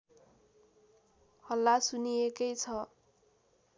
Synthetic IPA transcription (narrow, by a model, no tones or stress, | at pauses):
hʌlːasunijekʌjt͡sʰʌ